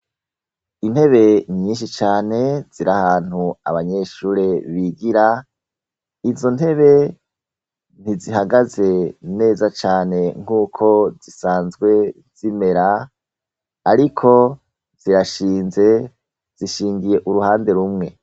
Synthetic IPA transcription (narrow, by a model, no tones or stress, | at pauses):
in̥he̞βe̞ɲiːnʃit͡ʃaːne̞z̥iɾahaːn̥hua̰βaɲe̞ʃuːɾe̞βiɡiɾa | izo̞nhe̞βe̞ | n̥iziɦaɡaze̞ne̞ːzat͡ʃaːne̞ŋ̥huːkʰo̞zisaːnzɡwe̞ | z̥ime̞ɾa | ɾikʰo̞ | z̥iɾaʃiːnze̞ | z̥iʃiːŋɡije̞ʔuɾuhaːnde̞ɾumŋe̞